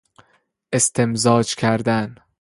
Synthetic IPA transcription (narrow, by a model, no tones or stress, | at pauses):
ʔe̞st̪ʰemzɒːd͡ʒkʲʰæɾd̪æn